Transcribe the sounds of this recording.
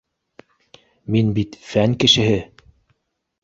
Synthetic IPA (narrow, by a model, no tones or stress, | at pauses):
minbit̪fæŋkɘ̆ʃɘ̆ɦɘ